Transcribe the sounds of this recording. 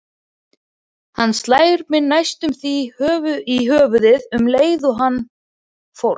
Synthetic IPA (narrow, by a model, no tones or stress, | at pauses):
hanːst̪laːjɾpmɪnajst̪ʏmθihœːvʏiɦœːvʏðɪðʏmleːjðʏɦanː | fowɾ